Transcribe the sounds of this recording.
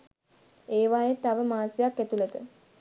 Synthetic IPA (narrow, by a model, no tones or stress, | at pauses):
eːʋajet̪ːaʋəmaːsijakːæt̪ulet̪ə